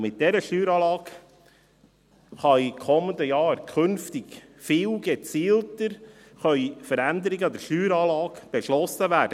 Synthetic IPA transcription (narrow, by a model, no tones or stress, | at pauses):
mɪt̚d̥ɛɾəʃtyːɾɑːlɑːɡ̥ | χɑikʰɔmənd̪əjɑːɾkʰχɵnftɪɡ | fɪːlɡ̥ət͡siːltəɾ | χœʏfəɾænd̪əɾɪɡəɑd̪əɾʃyːɾɑːlɑːɡb̥ɛʃlɔsəvæːd̥ə